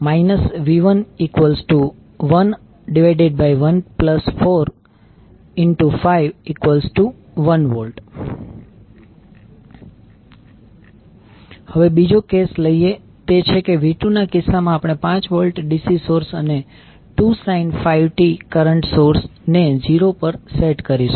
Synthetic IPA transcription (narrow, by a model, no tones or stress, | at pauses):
mainəsʋiʋənikʋəlsʈu | ʋən | ɖiʋajɖeɖ̚baiʋənpləsfoɾ | ɪɳʈufaiʋikʋəlzʈu | ʋənʋəlʈ | həʋebid͡ʒokesləie | t̪et͡ʃʰekeʋiʈunakɪsːamãapɽ̃epãt͡ʃʋəlʈɖisisoɾsəne | ʈusainfaiʋʈikəɾəɳʈsoɾsned͡ʒiɾopəɾseʈkəɾiʃu̥